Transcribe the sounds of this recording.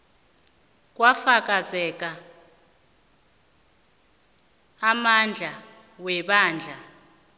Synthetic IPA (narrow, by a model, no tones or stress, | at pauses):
k̬ʼwafak̬ʼazɛk̬ʼa | mand͡ɮʱa | wɛɓaːnd͡ɮʱa